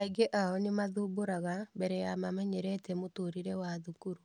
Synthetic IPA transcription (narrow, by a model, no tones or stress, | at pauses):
aiɡeʔaɔnemaðuːboɾaɣabɛɾɛjamamɛɲɛɾɛtɛmotoɾiɾɛwaðukuɾu